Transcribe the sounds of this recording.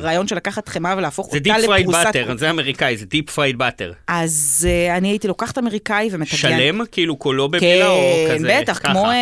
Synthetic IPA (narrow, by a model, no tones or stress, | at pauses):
ʁaːjo̞nʃelakaχat̪χemavelaːfo̞χoɛtdialeʁauaateʁzeameʁikaizedipfʁajd̪̚batḛʁʔazeaniaitilo̞kaχḁtameʁikaivemetaʃɡaelemkiilukolobekelnbetaχkmo